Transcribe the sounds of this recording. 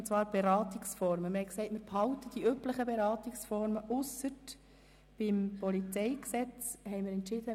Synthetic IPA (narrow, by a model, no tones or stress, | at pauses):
t͡sʋɑːɾb̥ɛɾɑːt̪iksfɔɾməmɪhɛɪksɛɪtmɪɾphɑʊtəd̥iʔypləχəbɛɾɑːtiksfɔɾməʔʊsət | b̥ɪmpɔlit͡sɛɪksɛt͡shɛɪmɪɾɛntt͡ʃɪd̥̪ə